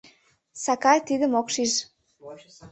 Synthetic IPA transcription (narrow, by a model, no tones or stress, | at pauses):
sɑkɑjt̪id̪ə̆mokʃiʃ